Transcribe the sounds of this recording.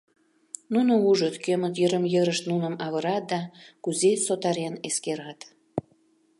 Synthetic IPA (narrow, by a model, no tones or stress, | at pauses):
nunouʒət̪kømət̪̬jəɾəmjəɾəʃt̪nunəmɑβəɾɑt̪̚d̪ɑkuzesot̪ɑɾeneskeɾɑt̪